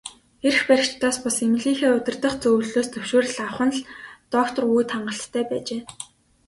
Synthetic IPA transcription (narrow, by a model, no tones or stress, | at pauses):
er̆xpæɾʲɪ̆kt͡ɕt̪aːspʊsemɮiːxeːɵt̪ʲɪ̆rt̪ə̆χt͡sɵw̆ɮɮoːst̪ʰɵwʃoːɾə̆ɮawχə̆nɮt̪ɔkt̪ʰɞ̆rujt̪ʰaɴɢə̆ɬt̪ʰːæːpæːt͡ɕeː